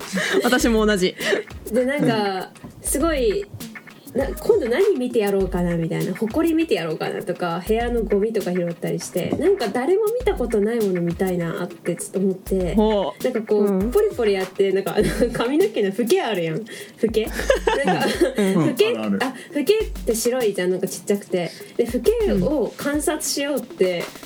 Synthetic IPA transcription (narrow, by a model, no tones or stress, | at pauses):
at̪aɕimo̞ːnaʑid̪enãŋkasɨɡo̞i | nãkʰõ̞nd̪o̞naɲ̟imʲit̪e̞jaɾo̞ːkanamʲit̪a̰ḭnaho̞ko̞ɾʲimʲit̪e̞jaɾo̞ːka̰na̰t̪o̞kahe̞ano̞ɡo̞mʲit̪o̞kaçiɾo̞t̪ːaɾʲiɕi̥t̪e̞̰nãŋkad̪aɾe̞mo̞mʲit̪ako̞t̪o̞naimo̞no̞mʲit̪aina̰t̪ːe̞t͡sɨ̥t̪ːo̞ːmo̞t̪ːe̞nãŋkako̞ːpːoɾʲipoɾʲijat̪ːe̞nãŋka̰nokʰamʲinokʲinoɸɯ̟ke̞aɾɯ̟jãɸɯ̟ke̞ãŋkaɸɯ̟keaɸɯ̟ke̞t̪ːe̞ɕiɾo̞id͡ʑãnãŋkat͡ɕi̥t͡ɕːakɯ̟̥t̪e̞d̪e̞ɸɯ̟ke̞okʰãɰ̃sat͡sɨ̥ɕijo̞ːt̪ːe̞